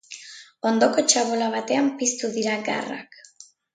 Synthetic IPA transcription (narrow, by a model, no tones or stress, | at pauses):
o̞nd̪o̞ko̞t͡ʃaβolaβ̞at̪e̞ampist̪uðiɾaɡa̰ra̰k